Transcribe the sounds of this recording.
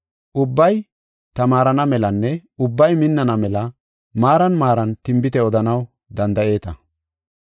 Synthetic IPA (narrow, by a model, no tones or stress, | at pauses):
ʔʊbːɐj | t̪ɐmaːɾɐnɐmɛlɐnːɛʊbːɐjmɪnːɐnɐmɛlɐ | maːɾɐnmaːɾɐnt̪ɪmbɪt̪ɛɔd̪ɐnɐw | d̪ɐnd̪ɐʔe̞ːt̪ɐ